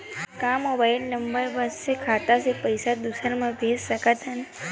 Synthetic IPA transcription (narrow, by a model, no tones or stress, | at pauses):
kamobailnəmbəɾbəsːekʰaːt̪asepəjsad̪usəɾmãbʱeːssəkət̪ʰən